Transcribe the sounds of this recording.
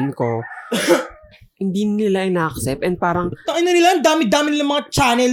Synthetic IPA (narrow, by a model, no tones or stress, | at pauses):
nko | hɪnd̪iɪlaʔɐjnaʔɐksɛp̚ɛn̚paːɾɐŋt̪ɐʔɐnonɪlaʔɐnd̪aːmɪt̪̚d̪aːmɪnɪlaŋmɐŋat͡ʃaːnɛl